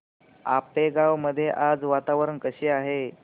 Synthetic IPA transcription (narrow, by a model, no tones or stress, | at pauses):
a̰peɡaʋməd̪ʱːjeʔad͡zʋat̪aʋɾənkəɕiːaɦe